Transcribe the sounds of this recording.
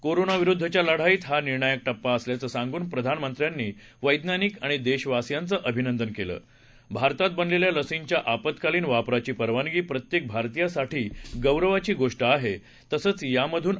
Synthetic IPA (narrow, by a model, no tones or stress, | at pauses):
koɾonaʋiɾud̪ʱːət͡ɕjaləɽ̤aiːt̪ɦaniɾɳajək̚ʈəpːaəsljat͡səːsãŋɡuːnpɾəd̪ʱanmənt̪ɾjanːiː | ʋəjd̪naniːkaɽ̃id̪eɕʋasjant͡səʔəbʱinənd̪ənkelə̰ː | bʱaɾt̪at̪̚bənleljaləsiɲt͡ɕjaʔapət̪kaliːnʋapɾat͡ɕiːpəɾʋanɡiːpɾət̪jek̚bʱaɾt̪ijasaʈʰiːɡəwɾəʋat͡ɕiːɡoʂʈəaɦe | t̪əsəːt͡sjaməd̪ʱuːn